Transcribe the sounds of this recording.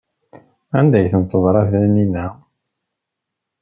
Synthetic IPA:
ænd̪æjθənt̪əzˤɾˤɑθæninːæ

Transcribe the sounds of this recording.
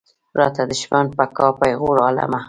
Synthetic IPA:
ɾɑ̰t̪ad̪ɪʃmanpakɑpajɣuɾala̰ma

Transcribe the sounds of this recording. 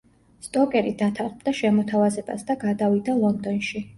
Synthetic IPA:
st̪ʼɔkʼɛɾid̪at̪ʰaχbd̪aʃɛmɔt̪ʰavazɛba̰sd̪aɡad̪avid̪alˠɔnd̪ɔnʃi

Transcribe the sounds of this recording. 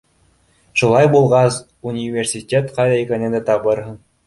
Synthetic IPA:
ʃulˠɑjbulˠʁɑs | unʲivʲersʲitʲet̪qɑjðɑikɘ̆nɘnd̪æt̪ɑβɤɾɦɤ̆ɴ

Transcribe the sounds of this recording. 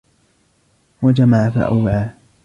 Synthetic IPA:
wad͡ʒamaʕafa̰ʔa̰wːʕaː

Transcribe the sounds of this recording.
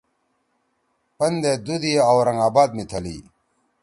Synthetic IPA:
pɐnd̪ed̪ud̪iawɾɐŋaːbaːd̪̚mit̪ʰɐlḭː

